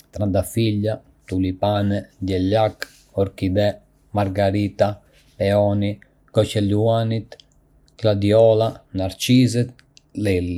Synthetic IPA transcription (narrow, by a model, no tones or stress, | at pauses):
t̪ɾand̪afiʎːa | t̪ulipanɛd̪ɛʎak | ɔɾkid̪ɛ | maɾɡaɾiːt̪a | pɛɔni | kɔt͡ʃɛlːuanit̪ | klad̪iɔlanaɾt͡ʃizɛt̪̚ | lɛlːi